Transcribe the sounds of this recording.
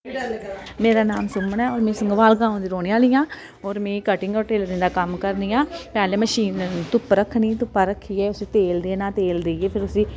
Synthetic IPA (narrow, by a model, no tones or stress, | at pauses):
meːɾaːnaːmsʊmənɛːɔːɾmɛ̃ːsəŋɡʋaːlɡãːõːnd̪iːɾoːneːaːlijãː | ɔːɾmɛ̃ːkəʈɪŋɡɔːɾʈeːld̪ɪ̃nd̪aːkəmkəɾniːjãːpɛːleːməʃiːnt̪ʊpːɾəkʰːnĩːt̪ʊpːaːɾəkʰːiːɛːʊsĩːt̪eːld̪eːnãːt̪eːld̪eieːpʰɪɾʊsĩː